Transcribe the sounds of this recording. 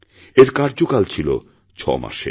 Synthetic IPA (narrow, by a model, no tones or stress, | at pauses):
eɾkaɾd͡ʑokalt͡ɕʰilo̰ | t͡ɕʰɔ̰ma̰ʃḛ